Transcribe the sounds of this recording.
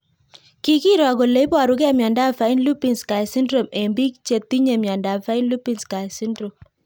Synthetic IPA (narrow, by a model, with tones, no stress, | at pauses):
ki˦ki˦ɾɔ˨ko˨le˦ba˨ɾu˦kɛ˦˨mjɔ˨nda˦fa˨˦i˦nlu˦pi˨nska˨jsi˦ndɾo˨me˨mbi˦kt͡ʃe˨t̪ːi˦ɲe˨mjɔ˨nda˨fa˦ɪ˦n˦lu˦pi˦˨nska˨jsi˦ndɾo˨m